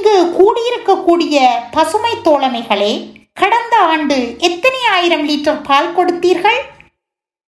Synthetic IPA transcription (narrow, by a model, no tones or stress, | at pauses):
ŋɡɯkuːɽɪjɪɾɯkːɐkːuːɽɪjɐpɐsɯmɐɪt̪ːoːlɐmɐɪɣɐɭeːkɐɽɐnd̪ɐaːɳɖɯɛt̪ːɐnɪjaːjɪɾɐmliːʈrɐɾpaːlkɔɽɯt̪ːiːɾɣɐɭ